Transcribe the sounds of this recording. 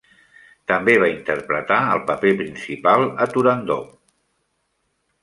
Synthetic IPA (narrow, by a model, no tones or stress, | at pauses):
t̪əmbeβ̞aint̪əɾpɾət̪aə̰lˠpəpepɾinsipalˠət̪uɾənd̪o